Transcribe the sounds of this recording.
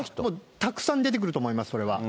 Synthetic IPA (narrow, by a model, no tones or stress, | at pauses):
moːt̪akɯ̟̥sãnd̪e̞t̪ek̬ɯ̟ɾɯ̟t̪o̞ːmo̞imasɨ̥so̞ɾe̞βa̰